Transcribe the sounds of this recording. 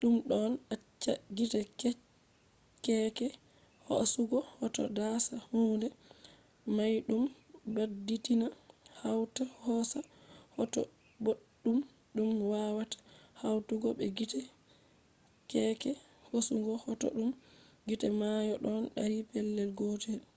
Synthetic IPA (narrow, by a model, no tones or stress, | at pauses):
ɗumɗɔnat͡ʃːaɡitɛk | kɛkɛ | ho̰suɡɔhɔtɔ̰dasahuːndɛ | majɗumbadditinahawtahɔsahɔtɔ̰ | boɗːum | ɗumwawatḁhawtuɡɔɓɛɡitɛ | kɛkɛ | hosuŋɡɔhɔtɔ̰ɗum | ɡitɛmajɔɗɔnɗaɾipɛlːɛlɡɔtɛ